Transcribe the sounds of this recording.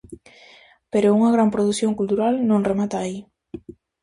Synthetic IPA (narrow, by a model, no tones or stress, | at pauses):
peɾouŋɐɣɾampɾoðuθjoŋkult̪uɾalnõŋremat̪aːi